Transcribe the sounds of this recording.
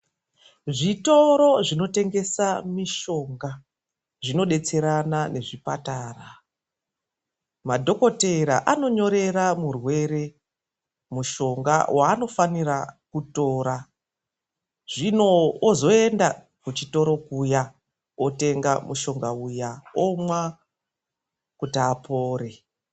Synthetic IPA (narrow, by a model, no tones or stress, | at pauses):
ʐito̞ɾo̞ʐino̞te̞ŋɡe̞samiʃo̞ŋɡa | ʐino̞ɗe̞t͡se̞ɾanane̞ʐipataːra | madʱo̞ko̞te̞ɾa̰ʔano̞ɲo̞ɾe̞ɾamurwe̞ɾe̞ | muʃo̞ŋɡa̰wʔaːno̞fanirakuto̞ːɾa | ʐino̞ːzo̞e̞nda | kut͡ʃito̞ɾo̞kuja | ote̞ŋɡamuʃo̞ŋɡaujaomwa | kutiapo̞ːre̞